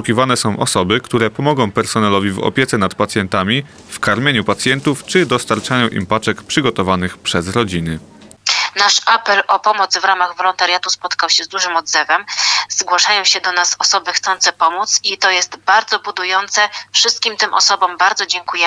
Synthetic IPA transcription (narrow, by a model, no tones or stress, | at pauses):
ukʲivanɛsɔ̃w̃ʔɔ̰sɔbɘkt̪uɾɛpɔmɔɡɔ̃w̃pɛɾsɔnɛlɔvʲivɔ̰pʲjɛt̪sɛnat̪̚pat̪sʲjɛnt̪amʲi | fkaɾmʲjeɲupat̪sʲjɛnt̪uft͡ʂɘd̪ɔst̪aɾt͡ʂajɔ̃w̃ʔḭmpat͡ʂɛkpʂɘɡɔt̪ɔvanɘxpʂɛzɾɔd͡ʑinɘ | naʂapɛlʔɔpɔmɔt̪zvɾamaɣvɔlɔnt̪aɾʲjat̪uspɔt̪kawɕɛzd̪uʐɘmɔd̪zɛvɛmz̥ɡwaʂajɔ̃w̃ɕɛd̪ɔnasɔsɔbɘxt̪sɔnt̪sɛpɔmut̪sit̪ɔjɛst̪baɾd̪zɔbud̪ujɔnt̪sɛfʂɘst̪kʲimt̪ɘmʔɔ̰sɔbɔ̃mbaɾd̪ɔd͡ʑɛŋkujɛ